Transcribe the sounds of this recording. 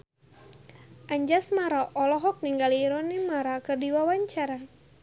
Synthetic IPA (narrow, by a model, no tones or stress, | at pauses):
ʔaɲd͡ʒasmaɾaʔɔlɔɦɔk̚niŋɡaliːɾɔnimaɾakɨrdiwawaɲt͡ʃaɾa